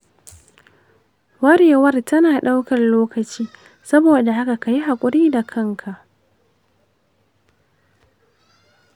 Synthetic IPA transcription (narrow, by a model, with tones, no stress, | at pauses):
wɐ˦ɽeː˨wɐ˦rtɐ˦naː˨ɗa˦wkɐ˨rloː˦kɐ˨t͡ʃiː˦ | sɐ˦boː˨da˨ha˦ka˨ka˨ji˦ɦa˨kʷʼʊ˨ɾiː˦da˨kʰɐ˦ŋkʰa˨ʔ